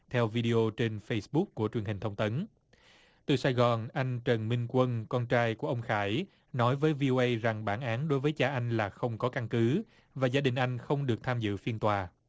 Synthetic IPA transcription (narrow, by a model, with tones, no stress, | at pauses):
t̪ʰɛ˧wvi˧ɗi˧ʔo˧t͡ɕe˧nfə˧jsɓʊ˦˥k̚ːu˧˩ət͡ɕwi˨˩ənhi̟˨˩t̪ʰwŋ͡mt̪ə˨˦n | t̪ɨ̰˨˩saː˧jɣɔ˨˩nʔa˧jŋ̟t͡ɕə˨˩nmï˧ŋ̟kwə˧nkɔ˧nt͡ɕaː˧jku˧˩əʔə˧wŋ͡mxaː˧˩j | nɔ˨˦jvəː˨˦jvi˧ʔo˧ʔə˧jza˨˩ŋɓaː˧˩nʔaː˨˦nɗo˨˦jvəː˨˦jt͡ɕaː˧ʔa˧jŋ̟laː˨˩xə˧wŋ͡mkɔ˨˦ka˧ŋkɨ˨˦ | vaː˨˩zaː˧ɗï˨˩ŋ̟ʔa˧jŋ̟xə˧wŋ͡mɗɨ˨˩ək̚t̪ʰaː˧mzɨ̰˧˨fi˧ənt̪waː˨˩